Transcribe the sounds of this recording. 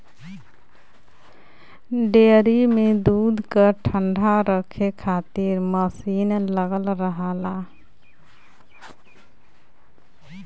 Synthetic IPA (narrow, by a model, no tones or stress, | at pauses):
ɖeɾimed̪uːd̪ʱkəʈʰəɳɖʱaɾəkʰekʰaːt̪iɾməsinləɡəlɾəɦala